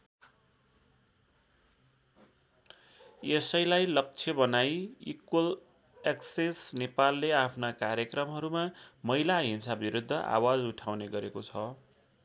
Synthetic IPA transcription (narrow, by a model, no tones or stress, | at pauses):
esʌjlajlʌk̚t͡sʰjʌbʌnajḭkwʌl | eksesnepalːeapʰnakaɾjʌkrʌmɦʌɾumamʌilaɦinsabiɾud̪ʱːʌʔa̰wad͡zuʈʰawneɡʌɾekot͡sʰʌ